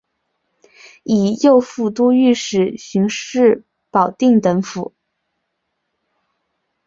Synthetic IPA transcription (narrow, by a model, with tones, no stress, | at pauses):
i˨˩jo˥˧ʊfu˥˩t̪u˥y˥˩ʂɻ̩˨˩ɕy˧˥ŋʂɻ̩˥˩ | pɑ˨˩ʊt̪i˥˩ŋt̪ɤ˧˥ŋfu˨˩˦